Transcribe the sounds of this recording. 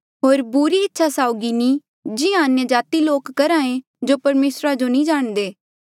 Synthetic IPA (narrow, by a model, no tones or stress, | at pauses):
ɦoːɾbuɾiɪtːʃʰasaːʊɡinĩ | d͡ʒɪãɐnjəd͡ʒaːt̪iloːkːɐɾaːẽ | d͡ʒopɐɾmeːsɾad͡ʒonĩd͡ʒaːɽ̃d̪eː